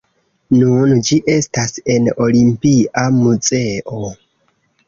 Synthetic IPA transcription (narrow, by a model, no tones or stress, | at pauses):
nund͡ʒiʔe̞stase̞no̞limpiʔamuze̞ʔo̞